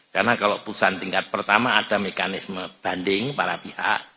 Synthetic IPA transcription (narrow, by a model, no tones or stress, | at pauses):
karnakaloʔpuusant̪iŋkat̪̚pərt̪amaːd̥amekanɪsməb̥andɪŋpaɾapiha̰ʔ